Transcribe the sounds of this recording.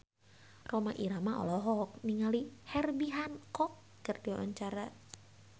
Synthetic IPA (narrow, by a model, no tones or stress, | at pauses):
romaʔiɾamaʔɔ̰lɔɦɔk̚niŋalihɛrbiɦankɔkːərdiwa̰ʔa̰ɲt͡ʃaɾa